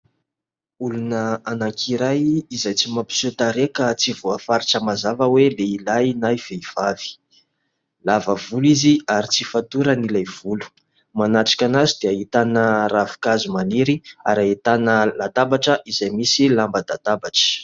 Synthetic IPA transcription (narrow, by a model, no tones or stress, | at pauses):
ulunəanakʰiɾajizajt͡simapi̥sot̪aɾekət͡sivuafaɾiʈ͡ʂəmazavəweleilajnajv̥eiv̥avi̥ | lavəvuliziaɾit͡sifat̪uɾənilajv̥ulu̥ | manaʈ͡ʂḁkʲanazid̪eait̪anəɾavi̥kazumaniɾia̰ɾait̪anəlat̪abaʈ͡ʂəʔizajmisilambəd̪at̪abaʈ͡ʂə̥